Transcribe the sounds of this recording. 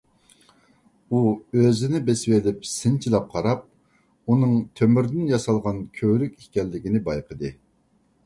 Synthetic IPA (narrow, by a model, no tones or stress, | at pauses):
uøzɪnɪbeswelɪp̚sɪnt͡ʃʰilˠɑp̚qʰɑɾɑp̚ | unɨŋt̪ʰømyɾd̪ɪnjɑsɑlˠʁɑnkʲʰøwɾykʲikʲɛlːɪɡʲinɪbɑjqʰəd̪ɨ